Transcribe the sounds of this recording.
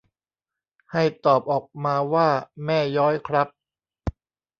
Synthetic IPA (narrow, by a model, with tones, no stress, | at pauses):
ha˥˩jt̪ɔː˨˩p̚ʔɔː˨˩k̚maː˧waː˥˩mɛː˥˩jɔː˦˥jkʰɾa˦˥p̚